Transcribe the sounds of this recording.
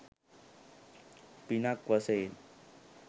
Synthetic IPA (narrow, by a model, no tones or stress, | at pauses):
pinakʋəsel